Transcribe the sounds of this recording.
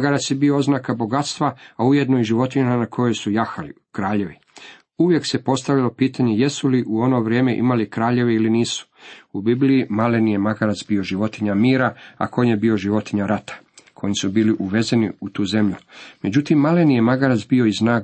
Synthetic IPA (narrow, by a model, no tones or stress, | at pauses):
aɡaɾat̪sjebiooznaːkaboɡat̪st̪ʋaauje̞d̪nojiʒiʋo̞t̪iɲananakʰo̞jo̞jsujaxalḭ | kɾaːʎe̞ʋi | uʋje̞kse̞po̞st̪aʋilo̞piːt̪aɲe̞jesuliʔuo̞no̞ʋɾje̞ːmeʔḭmalikɾaːʎe̞ʋeiliniːsu̥ubibliimalenijemaɡaɾat̪sbio̞ʒiʋo̞t̪iɲamiːɾaa̰ko̞ɲebio̞ʒiʋo̞t̪iɲaɾat̪ḁ | kʰo̞jisubiːliʔuʋe̞zeniut̪uːze̞mʎume̞d͡ʑut̪imːalenijemaɡaɾat̪sbio̞iznaːɡ